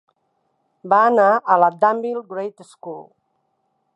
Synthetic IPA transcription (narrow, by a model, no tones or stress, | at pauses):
baːnaələd̪ambilɡɾejt̪skul